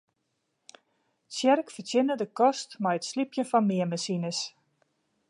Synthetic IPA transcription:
sjɛrkfərtjɪnədəkɔstmɛjətslipjənfɔnmɪəməsinəs

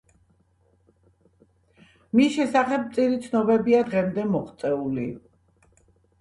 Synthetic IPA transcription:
misʃɛsaχɛp̚t̪sʼiɾit̪sʰnɔbɛbiad̪ʁɛmd̪ɛmɔχt̪sʼɛuli

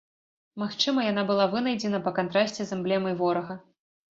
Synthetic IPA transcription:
maxt͡ʂɨmɐjan̪abɨlˠavɨnɐjd͡zʲɛnɐpɐkant̪ɾasʲt͡sʲɛzɐmblʲɛmɐjvɔɾɐɣɐ

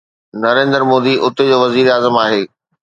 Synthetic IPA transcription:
nɐɾẽːnd̪əɾmoːd̪iʔʊt̪ed͡ʑoːʋɐziːɾaːzəmaːɦeː

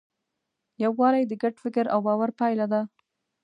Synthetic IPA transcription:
jawwɑɾajd̪əɡaʈfɪkəɾawbɑwaɾpɑjlad̪a

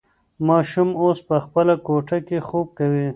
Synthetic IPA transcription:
mɑːʃumoːspəxpəlakoʈakexoːb̚kawi

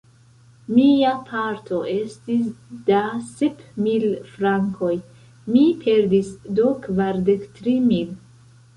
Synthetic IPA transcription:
miapʰaɾtʰo̞ʔe̞stis̬dasepmilfɾaŋkʰo̞j | mipʰe̞ɾdisdokvaɾdektɾimil

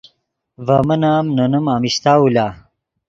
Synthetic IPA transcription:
vamɐnaːmnɐnumaːmist̪aːulaː

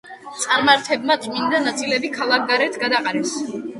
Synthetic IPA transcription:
t̪sʼaɾmaɾt̪ʰɛbmat̪t̪ʼmind̪anat̪sʰʼilɛbikʰalˠak̚ʰɡaɾɛt̪ʰɡad̪aqʼaɾɛs

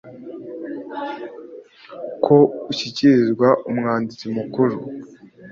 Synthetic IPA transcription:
kʰouçiciɾizɡwaʔumŋaːndit͡simukuɾu

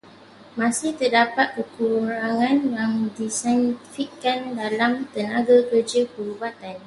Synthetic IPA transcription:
mãsɪht̪ərdapat̪̚kərkuɾɾaŋãnjaŋdisantifikkːandalamt̪ənaɡakərd͡ʒəpəɾubat̪an

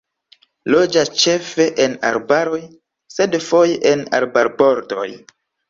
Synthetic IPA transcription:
lo̞d͡ʒast͡ʃefe̞ʔena̰ɾbaɾo̞j | se̞dfo̞jʔena̰ɾbaɾbo̞ɾto̞̰j

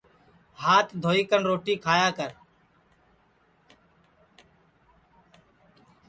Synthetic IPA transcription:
haːt̪d̪ʱoːiːkənɾoːʈiːkʰaːjaːkəɾ

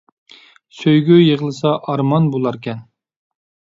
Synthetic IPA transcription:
søjɡʲyjəʁlˠɨsɑʔɑɾmɑnbolˠɑɾkʲɛn

